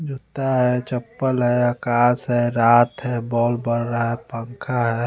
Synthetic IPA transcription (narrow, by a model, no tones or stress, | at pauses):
d͡ʒʱut̪aɦɛt͡ʃəpːəlɦɛəkaːsɦɛɾaːt̪ɦɛbɔːlbəɽɾaɦɛpəŋkʰaɦɛ